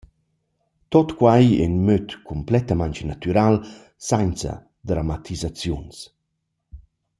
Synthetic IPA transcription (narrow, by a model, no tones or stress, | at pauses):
t̪ot̪kwajɛ̰nmøt̪kʰumplɛt̪amaɲt͡ʃnat̪yɾal | sant͡sa̰ | d̪ɾamat̪ʰizat͡sjuns